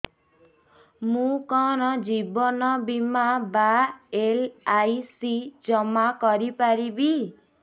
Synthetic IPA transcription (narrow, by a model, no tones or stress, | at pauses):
mũkɔɾɔd͡ʒibɔnɔbimabaelajsid͡ʒɔmakɔɾipaɾibi